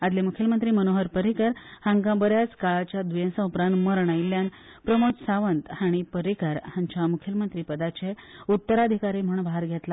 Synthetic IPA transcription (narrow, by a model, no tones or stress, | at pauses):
ad̪lemukʰjəlmənt̪ɾiːmənoɦəɾpəɾikəɾhãŋɡãbəɾjaskaɭat͡ɕjad̪ʋujẽnsãupɾãnt̪məɾɳ̃ailːjan | pɾəmotsaʋənt̪haɽ̃ipəɾikəɾhãɲt͡ɕamukʰjəlmənt̪ɾiːpəd̪at͡ɕeut̪ːəɾad̪ʱikaɾim̤əɳbaɦəɾɡʱet̪la